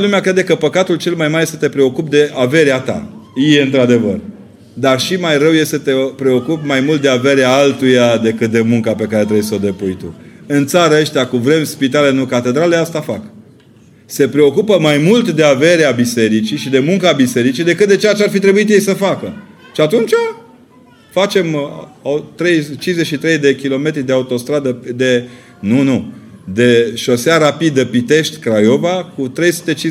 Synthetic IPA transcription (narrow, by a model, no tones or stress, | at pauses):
əlumeakɾe̞d̪ekəpəkat̪ult͡ʃe̞lmajmaɾjesət̪e̞pɾe̞o̞kup̚d̪e̞ʔave̞ɾeat̪a̰jijeɨnt̪ɾad̪e̞və̰r | d̪arʃimajrəwje̞st̪ət̪e̞pɾe̞o̞kupmajmult̪̚d̪e̞ave̞ɾeaalt̪ujad̪e̞kɨt̪̚d̪e̞muŋkape̞kaɾe̞t̪ɾejsod̪e̞pujt̪ṵɨnt̪saɾəəʃt̪ejakuvɾe̞mʲspit̪ale̞nukat̪e̞d̪ɾaleast̪afak | se̞pɾe̞o̞kupəmajmult̪d̪e̞ave̞ɾeabise̞ɾit͡ʃiʃid̪e̞muŋkabise̞ɾit͡ʃid̪e̞kɨt̪̚d̪et͡ʃeat͡ʃearfit̪ɾe̞buit̪je̞jsəfakə | ʃiat̪unt͡ʃa | fat͡ʃe̞maut̪ɾe̞jt͡ʃinze̞ʃit̪ɾe̞jd̪e̞kʲilo̞me̞t̪ɾid̪eaut̪o̞st̪ɾad̪əd̪e̞ | nunud̪e̞ʃo̞seaɾapid̪əpit̪e̞ʃt̪ʲkɾajo̞vakut̪ɾe̞jsu̥t̪e̞t͡ʃi